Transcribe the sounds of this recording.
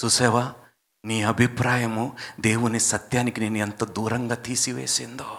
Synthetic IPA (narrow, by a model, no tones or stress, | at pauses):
susɛːʋaː | niːɐbʱipɾaːjɐmud̪e̞ːwunisɐt̪jaːnikineːnuent̪ɐd̪uːɾɐŋɡaːt̪iːsiʋḛːsind̪oː